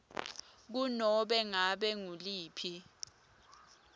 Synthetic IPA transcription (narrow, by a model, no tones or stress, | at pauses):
k̬unɔɓɛŋaɓɛŋuliːpʰi